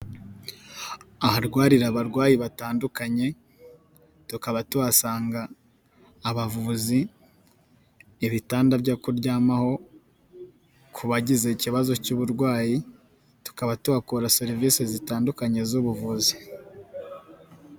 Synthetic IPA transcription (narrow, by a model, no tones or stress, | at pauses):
ahaɾɡwaːɾiɾaβaɾɡwaːjiβataːndukaɲe̞ | tukaβatuβasaːŋɡaː | βavuzi | βitaːndabɟakuɾɟaːmaho̞ | kʰuβaɟize̞ciβazo̞cuːβuɾɡwaːji | tu̥kaβatuβakuɾaseɾviːsezitaːndukaɲe̞zuβuvuzi